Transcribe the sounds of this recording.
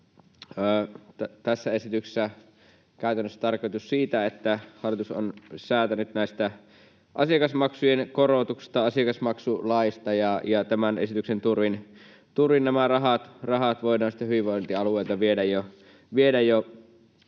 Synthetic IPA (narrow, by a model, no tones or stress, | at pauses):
əːt̪t̪æsːæesit̪ykse̥sːæ | kæˑyt̪ænːøsːæ̥t̪ɑrkoit̪ussiːt̪æet̪ːæhɑlːˑit̪uso̰nsæːt̪ænyt̪næˑist̪æ | ʔɑ̰siɑkɑsmɑksujenkorot̪uksi̥st̪ɑɑsiɑkɑsmɑksulɑist̪ɑjɑjɑt̪æmænḛsit̪yksent̪urʋin | t̪urʋinnæmærɑɦɑt̪rɑɦɑt̪ʋoidɑːnsi̥t̪ːæɦyʋiʋoˑint̪iɑlueilt̪ɑʋiedæjjo | ʋielæjo